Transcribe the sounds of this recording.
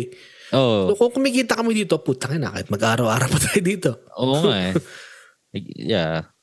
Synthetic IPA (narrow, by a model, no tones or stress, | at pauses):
onokokəmikit̪akamid̪it̪oput̪aŋɛna̰ka̰jt̪̚maɡaɾawaɾapat̪ʰajd̪it̪ooŋa | ja